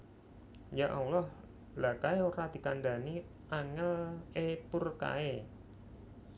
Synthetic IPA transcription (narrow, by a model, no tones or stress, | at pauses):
jaʔawlɔh | lakaeoɾad̪̥i̤kandani | ʔaŋəlepurka̰e